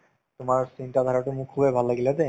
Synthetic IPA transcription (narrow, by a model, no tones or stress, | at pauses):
t̪ʊmaɹsinʈad̪ʱaɾaʈumukʰːubebʱalːaɡilad̪e